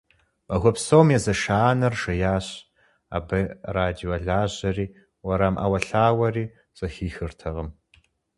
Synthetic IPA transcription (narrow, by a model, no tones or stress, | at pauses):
mɐɣʷɔpsowmjɛzɐʃaːnɐrʒɐjaːɕ | a̰ːbɐraːdioɐɮaːʑɐriː | wɐɾaːmʔa̰ːwɐɬaːwɐriː | z̥ɐxiːxɨrtʰɐʁɐm